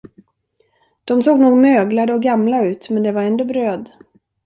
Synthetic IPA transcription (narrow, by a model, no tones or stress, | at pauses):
d̪̥ɔmsoːɡnuːɡmøːɡlad̪əɔɡamlaʉ̟ːt̪mɛnd̪ɛvaɾɛnd̪obɾøːd̪